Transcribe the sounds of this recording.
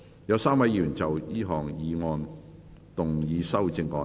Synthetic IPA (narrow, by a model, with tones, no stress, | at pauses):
jɐ˨˧wsaː˥mwɐ˧˥jiː˧˨ɥyː˨˩nt͡sɐ˨wjiː˥ɦɔː˨ŋjiː˨˧ŋɔː˧n | t̪ʊ˨ŋjiː˨˧sɐ˥wt͡sɪ˧ŋːɔː˧